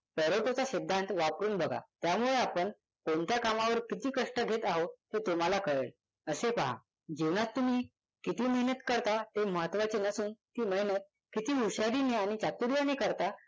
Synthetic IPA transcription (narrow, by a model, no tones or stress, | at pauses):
pɛɾoʈot͡saɕid̪ʱːant̪ʋapɾuːnbʱəɡa̰t̪jamuɭeapəɳ | koɳt̪jakamaʋəɾkit̪iːkəʂʈəɡʱet̪aɦot̪et̪um̤alakəɭɭ | əsepaɦa̰ | d͡ʑiʋnat̪ːum̤iː | kit̪iːməɦnət̪kəɾt̪at̪eməɦət̪ːʋat͡senəsuːnt̪iːməɦinət̪̚ | kit̪iːuɕaɾineaɽ̃it͡ɕat̪uɾjanekəɾt̪a